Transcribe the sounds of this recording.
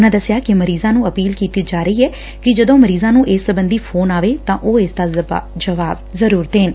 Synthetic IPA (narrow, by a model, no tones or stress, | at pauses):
ʊnãːd̪əsjaːkɪməɾiːzãːnũːəpiːlkiːt̪iːd͡ʒaːɾəiːɛː | kɪd͡ʒəd̪õːməɾiːzãːnũːʔɪsːəbənd̪iːpʰoːnaːʋeːt̪ãːʔoːɪsd̪aːd͡ʒəʋaːbzəɾuːɾət̪ɦeːn